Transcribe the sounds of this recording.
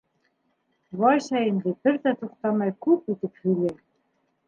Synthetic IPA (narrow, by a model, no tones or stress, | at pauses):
βɑjɕæjɘ̆nd̪ɘ̆pɘ̆ɾt̪æt̪uqt̪ɑmɑjkupit̪ɘ̆phyle